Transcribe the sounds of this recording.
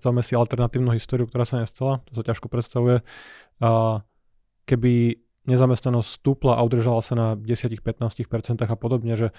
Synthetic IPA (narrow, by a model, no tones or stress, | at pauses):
t̪aʋuimɛsialt̪ɛɾnat̪iːʊnuːɦist̪ɔːɾiʊukt̪ɔɾaːsaɲɛst̪alat̪ɔ̥sacaʃkɔpɾɛt̪st̪aʋujɛ | kɛbi | ɲɛzamɛst̪nanɔscʲst̪uːplaʔa̰ud̪r̩ʒalasanaɟɛsɪacixpɛt̪naːscixpɛɾt͡sɛnt̪aːɣapɔd̪ɔbɲɛʒɛ